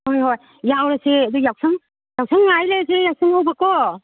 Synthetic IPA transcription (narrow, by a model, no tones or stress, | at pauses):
ɔmɦɔj | jawɾasead̪ujawsaŋ | jaw̚sʰaŋːajlesejawsɯŋawbakɔ